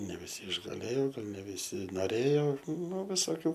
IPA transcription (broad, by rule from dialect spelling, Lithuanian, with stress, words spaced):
nʲɛ ʋʲɪˈsʲɪ ɪʒɡɐˈlʲeːjoː ˈɡɐlˠ nʲɛ ʋʲɪˈsʲɪ noːˈrʲeːjoː nʊ ʋʲɪsoːˈkʲuː